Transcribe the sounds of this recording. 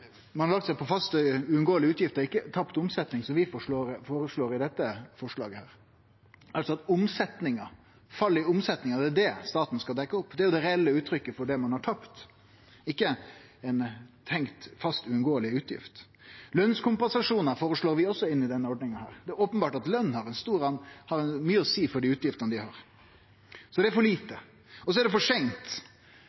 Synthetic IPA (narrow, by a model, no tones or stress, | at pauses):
mɑnɑɾlɑk̚t̪sɛɪpʰɔfɑst̪əʉːʉnɡoːəlɪʉːt̪jɪft̪əɾɪkːət̪ʰɑpt̪ʊmsɛt̪nɪŋsɔmʋɪfoːɾfoːɾəʂɭoːɾɪd̪ɛt̪ːəfɔʂɭɑ̰ːɡəhæːɾ | ɑlsɔɑt̪ʊmsɛt̪nɪŋɑ | fɑlːɪʊmsɛt̪nɪŋɑd̪ɛæd̪ɛst̪ɑːt̪n̩skɑld̪ɛkːəʊpːd̪ɛæɾjʊd̪ɛɾɛɛlːəʉːt̪ʰɾʏkːəfɔɖɛmɑnhɑʈʰɑpt̪ | ɪkːəɛnt̪ʰɛŋkt̪fɑst̪ʉʉnɡoːəlɪʉːt̪jɪ̰ft̪ | lœnskʰʊmpɛnsɑʂuːnəɾfoːɾəʂloːɾʋɪɔsːɔɪnːɪd̪ɛnːəɔɖnɪŋənhæ̰ːɾd̪ɛæɾoːpənbɑːʈɑt̪lœnːhɑɾɛnst̪uːɾɑnhɑɾɛnmyːəɔsiːfɔɖiːʉːt̪jɪft̪ənəd̪ɪhɑːɾ | sɔd̪ɛæɾfɔɭiːt̪ə | ɔsɔæɖɛfɔʂɛŋt̪